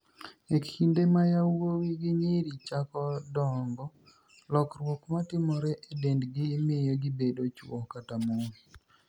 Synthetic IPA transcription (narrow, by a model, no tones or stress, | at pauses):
ekindemajaowiɡɪɲiɾit͡ʃakɔdɔŋɡɔ | lɔkrwɔkmatɪmɔɾɛʔedendɡɪmejoɡɪbedot͡ʃwɔkatamon